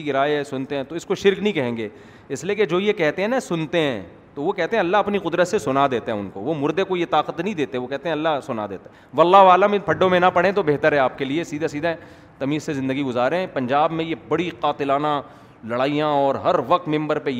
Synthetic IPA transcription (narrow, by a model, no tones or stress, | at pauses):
iɡɪɾaːeɦɛsʊnt̪eɦɛ̃ːt̪oɪskoʃɪɾknəɦĩkɐɦẽːŋɡeː | ɪslieked͡ʒoːjekɛɦt̪eɦɛ̃nasʊnt̪eɦɛ̃ː | t̪oʋokɛɦt̪ẽɦɛ̃ɐlːaɦɐpniqʊd̪ɾət̪sesʊnad̪eːt̪eɦɛ̃ʊnkoʋomʊɾd̪ekojet̪aːqət̪nə̃ɦĩd̪eːt̪eɦɛ̃ʋokɛɦt̪eɦɛ̃ɐlːasʊna̰d̪ḛːt̪a | ʋɐlːaɦʋaːləmɪpʰɐɖːõmẽnapɐɽẽt̪obeːɦt̪əɾɦɛaːp̚keliesiːd̪ʱasiːd̪ʱaɛ | t̪ɐmiːzsezɪ̃nd̪əɡiɡʊzaːɾeɦɛ̃pɐ̃ɲd͡ʒaːbmẽjebɐɽiqaːt̪ɪlaːna | lɐɽaːijãɔːɾɦɐɾʋɐq̚t̪mɪ̃mbəɾpej